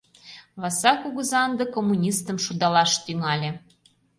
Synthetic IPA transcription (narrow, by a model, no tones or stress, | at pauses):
βɑsɑkuɣə̆zɑənd̪ə̆komːunʲist̪ə̆mʃud̪ɑlɑʃt̪yŋɑlʲĕ